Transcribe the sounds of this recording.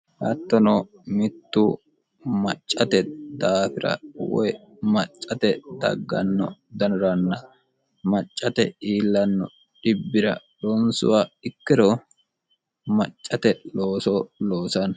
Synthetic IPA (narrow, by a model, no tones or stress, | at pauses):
hɐt̪ːɔnoː | mɪt̪ːuː | mɐt͡ʃʼːɐt̪ɛd̪aːfɪɾɐ̰wɔ̰j | mɐt͡ʃʼːɐt̪ɛd̪ɐ̰ɡːɐ̰nːɔ̰d̪ɐnʊɾɐnːɐ | mɐt͡ʃʼːɐt̪ɛiːlːɐnːɔ̰ | ᶑɪbːɪɾɐ̰ | lɔnsʊ̰waːɪkːɪɾɔ | mɐt͡ʃʼːɐt̪ɛloːsoloːsɐn